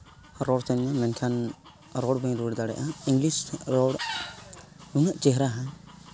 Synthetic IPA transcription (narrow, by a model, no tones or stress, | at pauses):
ɾɔɽt̪ɛnamɛnkʰan | ɾɔɽbəɲɾuɽd̪aɽɛ̰ʔaiŋɡlisɾɔɽ | ɾunaʔt͡ʃɛɦɾaɦãɲ